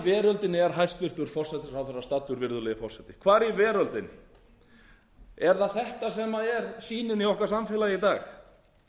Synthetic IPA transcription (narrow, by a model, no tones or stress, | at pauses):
vɛːɾœlt̪ɪnɪɛɾ̥ɦajst̪vɪr̥t̪ʏɾ̥fɔr̥sɛt̪ɪsawθɛsast̪at̪ːʏɾvɪɾðʏlɛɣɪfɔr̥sɛt̪ɪ̥kʰvaːɾivɛːɾœlt̪ɪnɪ | ɛɾθaðθɛht̪asɛmaɛɾsiːnɪniɔhkaɾ̥samfɛlajɪit̪aːx